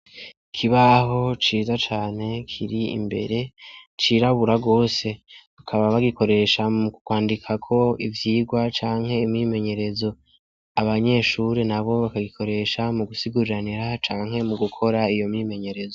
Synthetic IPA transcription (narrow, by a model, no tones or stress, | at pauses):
ikʰiβaɦo̞t͡ʃiːzat͡ʃaːne̞kʰiɾiḭmbe̞̰ɾe̞t͡ʃiɾaβuɾaɡo̞ːse̞βakʰaβaβaɡiko̞ɾe̞ʃamukukwaːndikʰakʰo̞ivjiːɡwat͡ʃaːŋhe̞imɲime̞ɲe̞ɾe̞zo̞ | aβaɲe̞ʃuɾenaβo̞βakaɡikʰo̞ɾe̞ʃamuɡusiɡuɾiɾaniɾat͡ʃaːŋhe̞muɡukʰo̞ɾaijo̞mime̞ɲe̞ɾe̞zo